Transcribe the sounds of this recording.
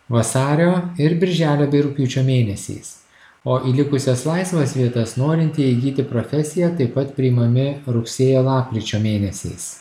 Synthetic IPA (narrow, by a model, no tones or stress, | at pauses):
ʋɐsɑːɾʲoːɪɾbʲɪɾʲʒʲæːlʲoːbʲɛɪɾʊkʲjuːt͡ʃʲoːmʲeːnʲɛsʲɛ̰ɪs | oːʔiːlʲɪkʊsʲɛslˠɑɪsʋoːsʋʲiɛt̪ɐsnoːɾʲɪnʲt̪ʲɪiɡʲiːt̪ʲɪpɾoːfʲɛsʲɪjæt̪ɐɪpɐt̪pʲɾʲɪimɐmʲɪɾʊksʲeːjoːlˠɑːpʲkʲɾʲɪt͡ʃʲoːmʲeːnʲɛsʲɛ̰ɪs